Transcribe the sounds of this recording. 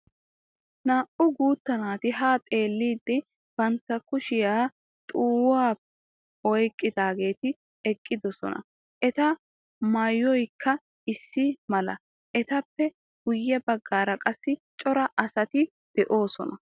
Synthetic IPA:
naːʔʊɡuːt̪ːɐnaːt̪ɪɦaːt̪ʼe̞ːlːiːd̪ːɪ | b̥ɐnt̪ːɐkʊʃɪjaː | t̪ʼuːwaː | ɔjkʼːɪd̪aːɡe̞ːt̪ɪ | ɛkʼːɪd̪ɔsɔ̰nɐ̰ | ʔɛt̪ɐ | mɐjːɔjkʰːɐ | ɪsːɪmɐlɐ | ʔɛt̪ɐpːɛ | ɡ̥ʊjːɛbɐɡːaːɾɐkʼɐsːɪt͡ʃʼɔɾɐʔɐsɐt̪ɪ | d̪̥ɛʔo̞ːsɔ̰nɐ

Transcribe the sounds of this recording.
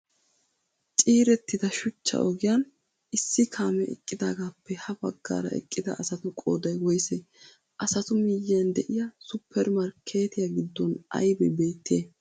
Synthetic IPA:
t͡ʃʼiːɾɛt̪ːɪd̪ɐʃʊt͡ʃːɐ̰ʔɔɡɪjɐn | ɪsːɪkʰaːmɛɛ̰kʼːɪd̪aːɡaːpʰːɛhɐbɐɡːa̰ːɾɐ̰ɛ̰kʼːɪd̪ɐ̰ːsɐt̪ʊkʼo̰ːd̪ɐjwɔjse | ʔɐsɐt̪ʊmiːjːɪjɐnd̪ɛʔɪjɐsʊpʰːɛɾmɐɾkʰːe̞ːt̪ɪjaɡɪd̪ːɔnɐ̰jbɛbeːt̪ʰːeː

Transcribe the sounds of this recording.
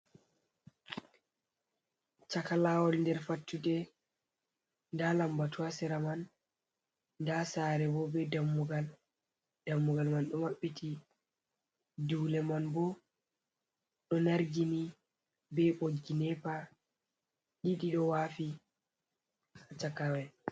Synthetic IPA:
t͡ʃakalawɔlndɛɾfatːudɛ | ndalambatuasɛɾaman | dasaːɾɛbɔbɛdamːuɡal | d̥amːuɡalmanɗɔmaɓːitʰi | duwlɛmanbɔ | ɗɔnaɾɡini | bɛɓoɡinɛpa | ɗiɗiɗɔwafi | hat͡ʃakawɛn

